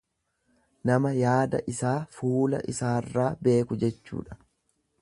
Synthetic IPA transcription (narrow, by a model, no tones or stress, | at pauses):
nɐmɐjaːd̪ɐ̰ʔɪsaːfuːlɐ̰ʔɪsaːrːaːbe̞ːkʊd͡ʒɛt͡ʃːṵːᶑɐ̥